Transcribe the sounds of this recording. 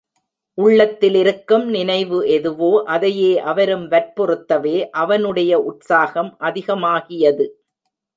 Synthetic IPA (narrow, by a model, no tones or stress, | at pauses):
ʔʊɭːɐt̪ːɪlɪɾɯkːɯmnɪnɐɪʋɯʔɛðɯʋoːʔɐðɐjeːʔɐʋɐɾɯmʋɐɾpɔrɯt̪ːɐʋeːʔɐʋɐnɯɽɐjɐʔʊʈsaːɣɐmʔɐðɪɣɐmaːɣɪjɐðɯ